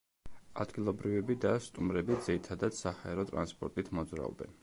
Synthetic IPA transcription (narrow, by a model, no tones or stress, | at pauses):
a̰d̪ɡilˠɔbɾivɛbid̪ast̪ʼumɾɛbid̪ziɾit̪ʰad̪ad̪̥sahaɛɾɔt̪ʼɾa̰nspʼɔ̰ɾt̪ʼit̪ʰmɔd̪zɾa̰ɔ̰bɛ̰n